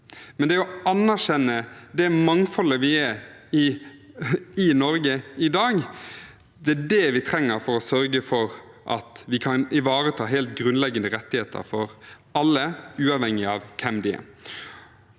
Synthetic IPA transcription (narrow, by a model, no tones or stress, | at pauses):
mɛnd̪ɛɔɑnːæɾʃɛnːəd̪ɛmɑŋfɔləʋɪæɾɪ | ɪnɔɾɡəɪd̪ɑːɡ | d̪ɛæɖɛʋɪt̪ʰɾɛŋːəɾfɔɾɔsœɾɡəfɔɾ | ʔɑ̰t̪ʋɪkʰɑnɪʋɑːɾət̪ʰɑːɦɛːlt̪ɡɾʉnlɛɡənd̪əɾɛt̪ːɪheːt̪ʰə̰ɾfɔɾ | ɑlːəʉːɑʋhɛŋːɪɑʋkʰɛmd̪ɪə̰